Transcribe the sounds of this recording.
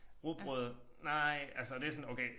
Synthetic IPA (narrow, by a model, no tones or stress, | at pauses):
ʁub̥ʁɔðˠnaɪ̰ælsəd̥e̝æɐsɔnoʊkʰeɪ